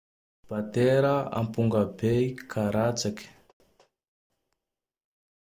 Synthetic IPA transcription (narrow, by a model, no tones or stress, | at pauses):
b̥at̪eɾəa̰mpuŋɡəbeikʰaɾat͡sakʲə̥